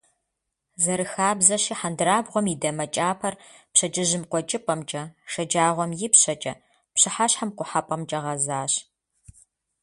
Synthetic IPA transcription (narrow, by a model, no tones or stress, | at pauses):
zɐɾɨxaːbzɐɕiːħandɨɾaːbʁʷɔmidɐmɐt͡ʃʼaːpʰɐrpɕɐt͡ʃʼɪʒɪmqʷɔt͡ʃʼɨpʷʼɐmt͡ʃʼɐʂɐd͡ʒaːʁʷɔmjɪpɕɐt͡ʃʼɐ̰ | pɕɨħaɕħamqʷʊħapʼɐmt͡ʃʼɐʁɐzaːɕ